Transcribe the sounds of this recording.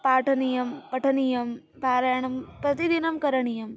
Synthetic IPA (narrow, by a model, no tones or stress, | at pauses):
paːʈʰɐnijɐmpɐʈʰɐnijɐm | bʱaːɾɐjɐɳ̃ɐmpɾɐt̪id̪inɐmkɐɾɐɳ̃ijɐm